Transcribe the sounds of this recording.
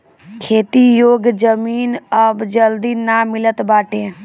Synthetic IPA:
kʰeːt̪ijoːɡd͡ʒəmiːnəbd͡ʒəld̪iːnaːmɪlət̪baːʈẽː

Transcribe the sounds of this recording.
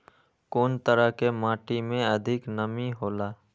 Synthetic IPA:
koːnt̪əɾəɦkemãːʈimẽɐd̪ʱɪknəmiɦoːlaː

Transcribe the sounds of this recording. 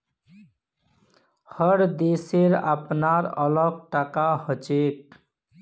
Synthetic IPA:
həɽd̪eseɾa̰pnaɾʌ̰lʌɡ̚ʈakahət͡ʃek̚

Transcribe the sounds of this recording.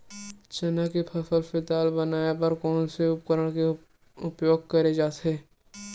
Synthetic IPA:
t͡ʃɐnakepʰɐfʰəlfɪt̪aːlbɐnaːjapɐɾkɔːnseʊp̚kəɾəɽ̃ke | ʊpjoːɡ̚kɐɾed͡ʒaːt̪eː

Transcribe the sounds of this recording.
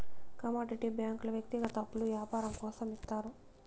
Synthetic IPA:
kɐmoːɖiʈibjaːŋklɐʋjɐk̚t̪iɡɐt̪ɐɐpːuluʋjaːpaːɾɐmkɔːsɐmit̪ːaːɾu

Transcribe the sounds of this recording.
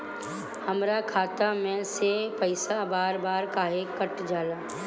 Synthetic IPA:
həmɾakʰaːt̪amẽsepəɪsabaːɾbaːɾkaːɦekəʈd͡ʒaːlaː

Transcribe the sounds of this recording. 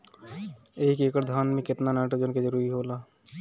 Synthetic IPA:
eɦikeːkəɾd̪ʱaːnmẽkɪt̪nanaːʈod͡ʒənked͡ʒəɾuːɾiɦoːlaː

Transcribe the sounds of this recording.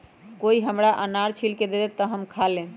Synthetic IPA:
koiɦəmɾaʔənaɾt͡ʃʰilked̪ed̪ɛt̪əɦəmkʰalːe

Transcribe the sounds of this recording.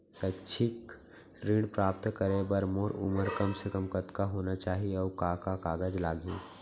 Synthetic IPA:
sət͡ʃʰɪk | ɾiːɽpɾaːp̚t̪kəɾebəɾmoːɾʊ̰məɾkɐmsekəmkət̪kaɦoːnat͡ʃaːɦiɔːkaːkakaːɡəd͡ʒlaːɡʱẽː

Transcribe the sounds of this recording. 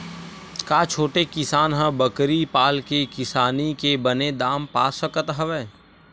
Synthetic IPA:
kaːt͡ʃʰoːʈekɪsaːnɦə̃bəkɾipaːlkekɪsaːnikebəned̪aːmpaːsəkət̪ɦɐʋeː

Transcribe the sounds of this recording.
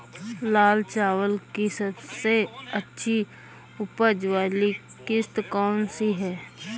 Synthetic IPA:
laːlt͡ʃaːwəlkisəbseətːʃʰi | ʊpəd͡ʒʋaːlikɪst̪kɔːnsiɦɛː

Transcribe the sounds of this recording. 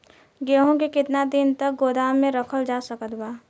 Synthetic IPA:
ɡeːɦõkekɪt̪nad̪ɪnt̪ɐk̚ɡoːd̪aːmmːẽɾɐkʰəld͡ʒaːsɐkət̪baː

